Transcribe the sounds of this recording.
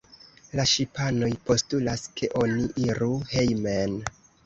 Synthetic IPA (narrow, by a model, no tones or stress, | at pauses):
laʃipano̞jpo̞stulaskʰe̞ʔo̞niʔiɾuhe̞jmen